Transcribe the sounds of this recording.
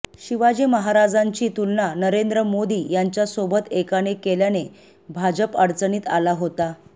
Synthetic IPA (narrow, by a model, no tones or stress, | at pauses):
ɕiʋad͡ʑiməɦaɾad͡zaɲt͡ɕiːt̪ulnanəɾend̪ɾəmod̪iːjaɲt͡ɕjasobət̪ekaɽekeljane | bʱad͡ʑəpəɽt͡səniːt̪a̰laɦot̪a